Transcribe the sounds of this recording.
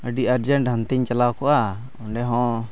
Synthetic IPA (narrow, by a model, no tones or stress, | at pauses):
əɖiaɾd͡ʒəɳʈɦant̪iɲt͡ʃalawkɔʔa | ɔɳɖɛɦɔ̃